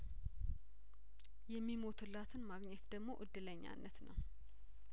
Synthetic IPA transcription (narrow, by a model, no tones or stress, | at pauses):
jɛmːimo̞t̪ʰɨlːat̪ʰɨnmaɡɲɛt̪d̪əɡmo̞ʔɨd̪ːɨləɲːa̰nːət̪nəw